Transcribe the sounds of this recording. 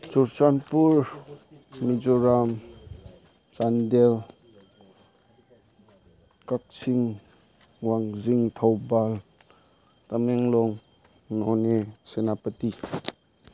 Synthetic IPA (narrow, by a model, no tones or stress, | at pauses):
t͡ʃuɾsanpuɾ | nid͡ʒɔɾam | t͡ʃandel | kak̚siŋ | waŋziŋtʰawbal | tameŋlɔŋ | nɔnesenapəti